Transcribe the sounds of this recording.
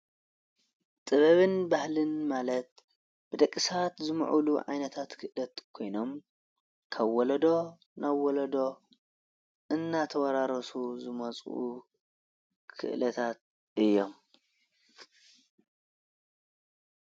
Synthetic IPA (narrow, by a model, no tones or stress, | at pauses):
t̪ʼɨβɐβɨnbahlɨnmalɐt̪ | b̥ɨd̪ɐkʼːisat̪zɨm̰ʕṵluʕa̰jnɐt̪ʰat̪kʰɨʔlɐt̪kʰo̞jno̞m | kʰaβːɔlɐd̪o̞ | naβːɔlɐd̪o̞ | ʔɨnːat̪ʰɐwɐɾaɾɐsuzɨmɐt͡sʼʔṵ | kʰɨ̰ʔlɐt̪ʰat̪̚ | ɨjːo̞m